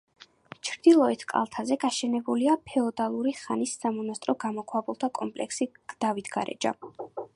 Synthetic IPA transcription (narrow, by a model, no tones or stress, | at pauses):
t͡ʃʰɾd̪ilˠɔɛt̪ʰkʼa̰lˠt̪ʰazɛɡaʃɛnɛbuliapʰɛɔd̪alˠuɾiχanisːamɔnast̪ʼɾɔɡamɔkʰwabulˠt̪ʰakʼɔ̰mpʼlɛ̰ksiɡ̥d̪̥avit̪ʰɡa̰ɾɛ̰d͡ʒa̰